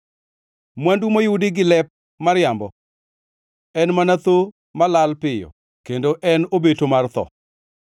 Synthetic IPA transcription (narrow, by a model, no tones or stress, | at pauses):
mwandumojudɪɡɪlɛp̚ | marjambɔ | ɛnmanat̪o | malalpɪjɔ̰ | kendoʔɛnobetomart̪ɔ̰